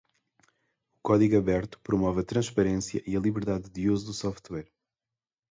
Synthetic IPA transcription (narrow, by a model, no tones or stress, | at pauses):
ukɔðiɣɐβɛɾt̪u̥pɾumɔvɐt̪ɾɐ̃ʃpɐɾẽsjɐʔiɐlˠiβɨɾðaðd̪iozud̪usɔft̪wɛɾ